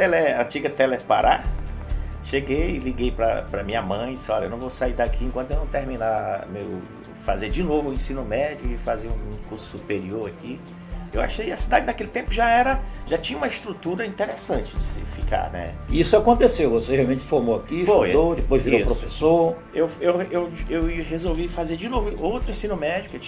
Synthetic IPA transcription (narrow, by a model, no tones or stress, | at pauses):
t̪ɛlɛɐ̃t͡ʃiɡɐt̪ɛlɛpa̰ɾa | ʃeɡejɪliɡejpɾɐ̰pɾɐmĩɲɐmɐ̃j̃d͡ʒisɔlɐewnɐ̃w̃vowsaiɾd̪akʰiẽŋkwɐ̃t̪ʊewnɐ̃w̃t̪eɾmĩna̰mewʊ̰ | fazeɾd͡ʒɪnovʊũẽsĩnʊmɛd͡ʒʊɪfaziɐũkuɾsʊ̥supeɾioɾaki | ewa̰ʃejɐsid̪ad͡ʒɪnakelɪt̪ẽpʊʒaɛɾɐʒat͡ʃĩɲɐũmɐiʃt̪ɾut̪uɾɐĩt̪eɾesɐ̃t͡ʃɪd͡ʒɪsɪ̰fika̰nɛ̰isʊakõnt̪esewvoseheawmẽt͡ʃsɪ̥foɾmoakifojod̪epojzviɾopɾofesoɾ | ewewewewiɐɦezowvifazeɾd͡ʒɪnovʊowt̪ɾʊĩsĩnʊmɛd͡ʒiʊkewt͡ʃ